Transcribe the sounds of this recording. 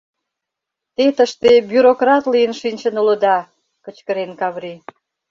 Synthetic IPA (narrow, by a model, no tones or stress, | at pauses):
t̪et̪əʃt̪ebyɾokrɑt̪lijənʃinʲt͡ɕə̆nuləd̪ɑ | kə̆t͡ɕkə̆ɾenkɑβɾi